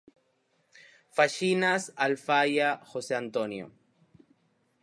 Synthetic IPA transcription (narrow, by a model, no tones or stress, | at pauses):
faʃinasalfajaxoseant̪onjo̰